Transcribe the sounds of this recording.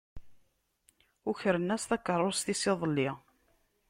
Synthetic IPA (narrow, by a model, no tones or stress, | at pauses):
ʊçəɾənːæsθækːərˤːost̪isɪðˤəlːɪ